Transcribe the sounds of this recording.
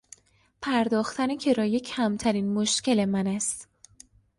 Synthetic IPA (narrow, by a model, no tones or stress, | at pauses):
pʰæɾd̪ɒːxt̪ʰænecʰe̞ɾɒːjekʰæmt̪ʰæɾiːnmoʃcele̞mænæst̪